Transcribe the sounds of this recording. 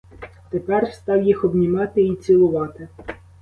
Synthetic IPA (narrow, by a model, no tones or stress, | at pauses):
t̪epɛrst̪ɑwjixɔbnʲimɑt̪ɪit͡sʲilˠʊʋɑt̪ɪ